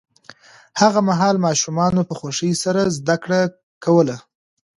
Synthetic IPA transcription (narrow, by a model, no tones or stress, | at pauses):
haɣamaɦɑlmɑʃumɑnopəxwaʂəjsaɾazd̪akɽa | kawəla